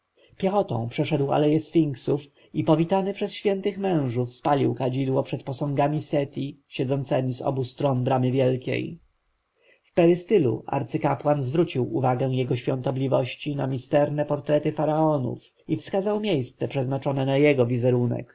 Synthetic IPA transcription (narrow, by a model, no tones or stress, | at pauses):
pʲjɛxɔt̪ɔ̰̃w̃pʂɛʂɛd̪wa̰lɛjɛsfʲiŋksuf | ipɔvʲit̪anɘpʂɛsɕfʲjɛnt̪ɘxmɛ̃w̃ʐufspalʲiwkad͡ʑid̪wɔpʂɛt̪pɔsɔ̃ŋɡamʲisɛt̪ʲiɕɛd̪zɔnt̪sɛmʲizɔ̰bust̪ɾɔnbɾamɘvʲjɛlkʲḛj | fpɛɾɘst̪ɘlṵʔa̰ɾt̪sɘkapwanzvɾut͡ɕiwuvaɡɛw̃jɛɡɔɕfʲɔnt̪ɔblʲivɔɕt͡ɕinamʲist̪ɛɾnɛpɔɾt̪ɾɛt̪ɘfaɾaɔnṵf | ifskazawmʲjejst̪sɛpʂɛznat͡ʂɔnɛnajɛɡɔvʲizɛɾunɛ̰k